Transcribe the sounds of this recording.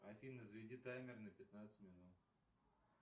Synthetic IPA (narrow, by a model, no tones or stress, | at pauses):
ɐfʲinəzvʲɪdʲit̪amʲɪrnəpʲɪt̪nat̪sɨ̥tʲmʲɪnut̪